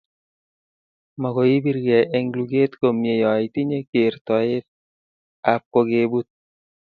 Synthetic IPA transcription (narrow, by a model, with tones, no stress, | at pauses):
ma˨ko˨i˦bi˦ɾɡe˨ʔe˦ŋɡlu˨ɡe˦t̪ko˨mje˨jɔ˨ɪ˨t̪i˦ɲe˦ke˨ɾt̪ɔ˨ɪ˦t | a˨p̚ko˦ɡe˦bu˦t̪̚